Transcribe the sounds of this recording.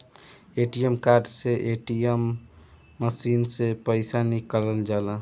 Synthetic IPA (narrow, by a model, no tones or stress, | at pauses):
eʈijemkaɾɖseʔeʈijemː | əsinsepəɪsanikəɾəld͡ʒala